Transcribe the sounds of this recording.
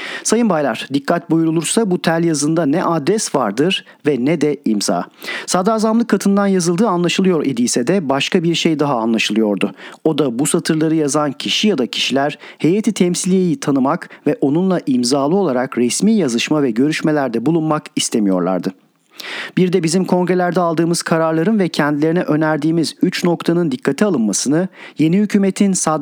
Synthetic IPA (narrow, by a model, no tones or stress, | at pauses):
sajɯnbajlˠaɾ̥d̪ikʰːat̪̚bujuɾulˠuɾsabut̪ʰælʲjazɯnd̪anɛʔad̪ɾɛsvaɾd̪ɯɾ̥ | vɛnɛd̪ɛimza̰ːsad̪aːzamlˠɯkʰːat̪ʰɯnd̪anjazɯlˠd̪ɯːanlˠaʃɯlˠɯjo̞ɾed̪iːsɛd̪ɛbaʃkabiɾʃejd̪aɦaːnlˠaʃɯlˠɯjo̞ɾd̪ʊo̞d̪abusat̪ʰɯɾlˠaɾɯjazancʰiʃijad̪acʰi̥ʃilʲæɾ̥he̞jat̪ʰit̪ʰɛmsilʲije̞jit̪ʰanɯmakvɛʔo̞nunlˠaʔimzaːlˠɯo̞lˠaɾakɾɛsmiːjazɯʃmavɛɟø̞ɾyʃme̞lʲæɾd̪ɛbulˠunmakist̪ʰe̞mijo̞̰ɾlˠa̰ɾd̪ɯ | b̥iɾd̪ɛbizimkʰo̞ŋɡɾe̞lʲæɾd̪ɛalˠd̪ɯːmɯz̥kʰaɾaɾlˠaɾɯnvɛcʰɛnd̪ilʲeɾinɛʔø̞næɾd̪iːmizyt͡ʃno̞kt̪ʰanɯnd̪ikʰːat̪ʰialˠɯnmasɯnɯje̞nihycʰyːmet̪ʰinsa